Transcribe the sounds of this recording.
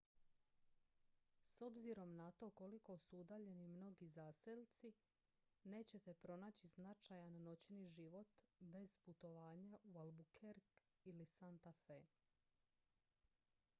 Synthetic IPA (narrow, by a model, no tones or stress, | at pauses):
so̞bziɾo̞mnat̪o̞ko̞liko̞suud̪aːʎe̞nimno̞ɡizaːselt̪si | ne̞ːt͡ɕe̞t̪e̞pɾo̞naːt͡ɕiznat͡ʃajanːo̞t͡ɕniʒiʋo̞t̪be̞z̥put̪o̞ʋaːɲaʔualbukʰeɾk | ilisant̪afe